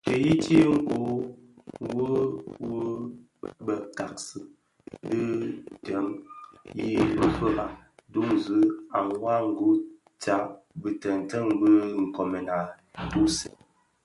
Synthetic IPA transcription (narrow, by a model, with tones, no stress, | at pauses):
tə˨ji˦ti˦ŋ̩˦ʔo˨˦ | wo˦wu˦ | bə˨ka˨k̚sɨ˨ | dɨ˦tə˨˦mji˦bə˦fə˦ʔa˦du˦ŋzɨ˨˦a˨ŋwa˦ŋ̩˨ɡo˦ | t͡sa˨˦ | bɨ˨tə˨n˨tə˦ŋbə˦ŋ̩˨kɔ˨mə˨na˨˦ | tu˦si̥˨